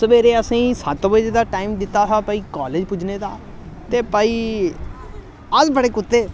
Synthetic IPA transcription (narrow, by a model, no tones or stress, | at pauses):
səʋeːɾeːəsĩːsət̪ʋəd͡ʒed̪aːʈaːiːmd̪ɪt̪ːaːsaːpəiːkaːleːd͡ʒpʊd͡ʒneːd̪aː | t̪eːpəiː | əzbəɽeːkʊt̪ːeː